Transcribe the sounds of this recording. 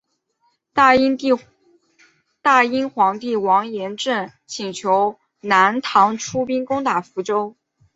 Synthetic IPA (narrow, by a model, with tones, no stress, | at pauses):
i˥ | t̪a˥˩i˥nxwɑ˧˥ŋt̪i˥˩wɑ˧˥ŋjɛ˧˥nʈ͡ʂə˥˩n | t͡ɕʰi˨˩ŋt͡ɕʰjo˧˥ʊ | na˧˥nt̪ʰɑ˧˥ŋʈ͡ʂʰu˥pi˥nkʊ˥ŋt̪a˨˩fu˧˥ʈ͡ʂo˥ʊ